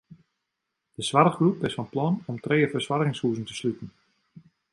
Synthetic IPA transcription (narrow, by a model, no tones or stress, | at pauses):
d̥əsʋaɾəχɡrupɪsfɔnplɔnɔmtreːəfərswarɣɪŋshuːzən̩tə̥slytən̩